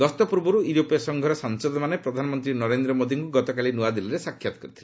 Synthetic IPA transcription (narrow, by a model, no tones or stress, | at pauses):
ɡɔst̪ɔpuɾbɔɾuuɾopijɔsɔŋɡʱɔɾɔsansɔd̪ɔmanepɾɔd̪ʱanɔmɔnt̪ɾinɔɾend̪ɾɔmod̪iŋkuɡɔt̪ɔkalinuad̪iliɾesakʰːjat̪ɔkɔɾit̪ʰile